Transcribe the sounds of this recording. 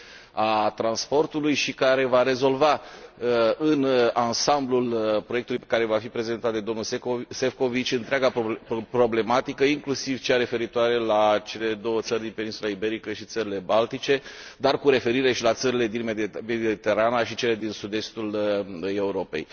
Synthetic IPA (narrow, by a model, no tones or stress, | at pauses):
at̪ɾanspo̞rt̪ulujʃikaɾe̞vaɾe̞zo̞lvaəɨnansamblulpɾoekt̪ulujpe̥kaɾe̞vafipɾe̞ze̞nt̪at̪d̪ed̪o̞mnulsefko̞vit͡ʃʲɨnt̪ɾeaɡappɾo̞ble̞mat̪ikəiŋklusiv̥t͡ʃeaɾe̞fe̞ɾit̪oaɾe̞lat͡ʃe̞le̞d̪o̞wət̪sərʲd̪inpe̞ninsulaibe̞ɾikəʃit̪səɾile̞balt̪it͡ʃe̞ | d̪arkuɾe̞fe̞ɾiɾe̞ʃilat̪səɾile̞d̪inme̞d̪iit̪e̞ɾanaʃit͡ʃe̞le̞d̪insud̪e̞st̪ule̞uɾo̞pe̞̰j